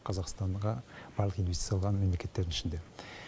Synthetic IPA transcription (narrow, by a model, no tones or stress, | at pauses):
qʰɑzɑqst̪ɑɴʁɑb̥ɑlˠəqijnvesi̥t̪jɑlˠʁɑnme̞mle̞kʰʲe̞t̪ːe̞ɾd̪ɪnɪ̥ʃɪnd̪e̞